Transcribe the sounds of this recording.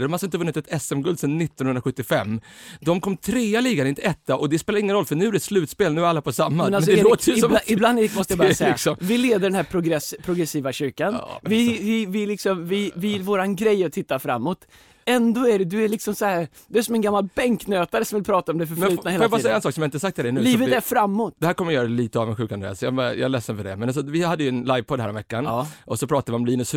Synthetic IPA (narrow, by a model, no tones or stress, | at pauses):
d̪ɔmhaləɪnt̪əvɵnːɪt̪ɛt̪ʰɛsɛmɡɵld̪sɛnːɪt̪ːɔnhɵnɾaɧɵt̪ːɪfɛ̰mːd̪ɔmkʰɔmːt̪ʰɾeːaliːɡanɪnt̪ʰɛt̪ːaʔɔd̪ɛspeːlaɾɪŋːənɾɔlːfœɳʉ̟ːæɾɛslʉ̟ːt̪speːlnʉ̟ːɾalːapʰɔsamːaɛnaɛsd̪ɛoːt̪ɔɪland̪ɛmɔst̪əabɾsɛɪksɔmvɪleːd̪əɖɛnæːɾpʰɾʊɡɾɛspʰɾʊɡɾɛsiːvaɕʏɾkanvɪvɪvɪlɪksɔmvɪvɪvoːɾanɡɾɛjat̪ʰːɪt̪ːafɾa̰mːɔt̪ | ɛnd̪oːæɖɛd̪ɵæɭɪksɔmsɔhæːɾ | d̪ɵæʂɔmɛnɡamːalbɛŋknøːt̪aɾəsɔmvɪlpʰɾɑːt̪aɔmd̪ɛfœɾfɛlʉːt̪naeːfːjabɑːɾsɛjːaɛnsɑːksɔmjaɪt̪əsak̚t̪ʰːɪld̪ɛnʉːlːvət̪æɾfɾamːʊt̪ːd̪ɛhæːɾkɔmːɾɪjœːɾaɛliːt̪əɑːvənɧʉ̟knd̪ɛ̰alsɔjɑb̰jɑ̰lɛsːənfœɖɛ̰mɛnasɔvɪhad̪ːəjɵɛnlajvpʰɔd̪hæ̰ːɾɔ̰mvɛkːanːʔɔsɔpʰɾɑːt̪ad̪vɪɔmliːnɵs